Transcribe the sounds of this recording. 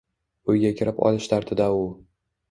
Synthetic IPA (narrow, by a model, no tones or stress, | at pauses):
ʊjɡʲakʲʰɪɾɪpɒ̰lˠɪʃt̪ʰaɾt̪ʰɪd̪aʊ